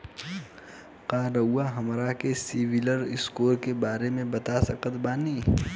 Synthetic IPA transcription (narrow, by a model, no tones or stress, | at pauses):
qaːɾəwːaɦɐmɾakesiːʋɪləɾɪskoːɾkebaːɾemẽbɐt̪asɐqət̪baːniː